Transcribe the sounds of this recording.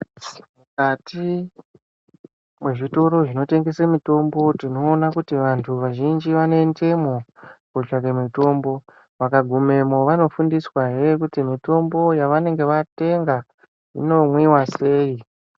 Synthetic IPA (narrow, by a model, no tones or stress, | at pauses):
mukatʰi | mwe̞ʐito̞ɾo̞ʐino̞te̞ŋɡe̞semito̞mbo̞tino̞ːnakutiʋantʰuʋaʒind͡ʒiʋane̞ntʰe̞mo̞kot͡ʃaɾemito̞ːmbo̞ | ʋakaɡʱume̞mo̞ʋano̞fundiswaɦeekutimito̞mbo̞jaʋane̞ŋɡe̞ʋate̞ŋɡa | ḭno̞mwiwase̞ːi